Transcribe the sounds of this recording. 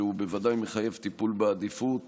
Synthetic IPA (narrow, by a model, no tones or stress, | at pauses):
eube̞vad̪ajmeχaje̞vt̪ipulbead̪ifut̪